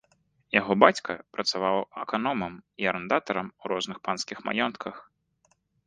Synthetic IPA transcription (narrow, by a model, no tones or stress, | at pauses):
jaɣɔbat͡sʲkɐpɾɐt̪savawɐkanɔmɐmiɐɾɛnd̪at̪ɐɾɐmuɾɔznɨxpanskʲixma̰jɔnt̪kʰɐx